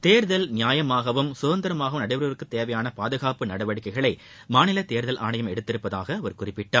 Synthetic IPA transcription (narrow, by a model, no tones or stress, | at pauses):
t̪eːɾðɐlnɪjaːjɐmaːɣɐʋɯmsʊðɐnd̪ɐɾɐmaːɣɐʋɯmnɐɽɐɪʋɐɾɐɾɯkːɯt̪ːeːʋɐjaːnɐpaːðɯɣaːpɯnɐɽɐʋɐɽɪkːɐɪɣɐɭɐɪ | maːnɪlɐt̪eːɾðɐlʔa̰ːɳɐjɐmɛɽɯt̪ːɪɾɯpːɐða̰ːɣɐːʋɐɾkʊrɪpːɪʈːaːɾ